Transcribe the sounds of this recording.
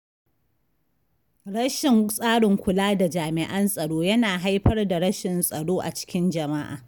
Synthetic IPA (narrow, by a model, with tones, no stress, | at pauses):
ɽɐ˦ʃɪ˨ŋsʼaː˦ɽɪ˨ŋkʷʊ˨laː˦da˨d͡ʒaː˨mɪ˨ʔɐ˦nsʼɐ˨ɽoː˦jɐ˦naː˨ɦa˦jɸɐ˦rda˨ɽɐ˦ʃɪ˨nsʼɐ˨ɽoː˦ʔa̰˨t͡ʃɪ̥˦kʲɪ˦nd͡ʒɐ˨ma˦ʔa̰ː˨